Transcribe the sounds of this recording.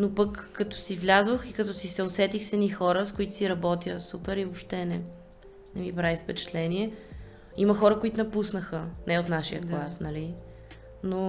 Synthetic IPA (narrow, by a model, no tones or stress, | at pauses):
nopəkːɐt̪ɔ̥sivlʲazvoxikɐt̪ɔsisɛosɛt̪ixsɛnixɔɾəskʊit̪ʊ̥siɾɐbɔt̪jəsupɛɾivopʃt̪ɛnɛ | nɛmipɾavifpɛt͡ʃɛ̥t̪lɛniɛ | iməxɔɾəkoit̪ʊnɐpusnəxənɛot̪naʃijəklˠasnɐli | no